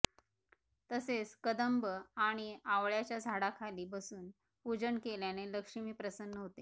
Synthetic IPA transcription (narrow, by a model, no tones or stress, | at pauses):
t̪əset͡skəd̪əmbəaɽ̃iaʋɭjat͡ɕjad͡zʱaɽakʰaliːbəsuːn | pud͡ʑəɳkeljaneləkʂimiːpɾəsənːəɦot̪e